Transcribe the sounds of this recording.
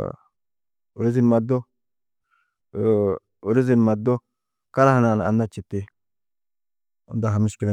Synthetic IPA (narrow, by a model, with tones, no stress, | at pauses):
u˨ɾi˦zi˦nma˨do˦ | u˨ɾi˦zi˦n˨ma˨d̪o˦ | ka˦ɾa˦ha˨na˨n˨a̰˨nːa˦t͡ʃi˨ti˦ | ṵ˨nda˨ɦa˨mi˦ʃki˨l